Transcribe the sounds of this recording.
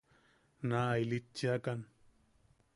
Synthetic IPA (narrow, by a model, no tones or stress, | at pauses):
naːjlɪt͡ʃːakan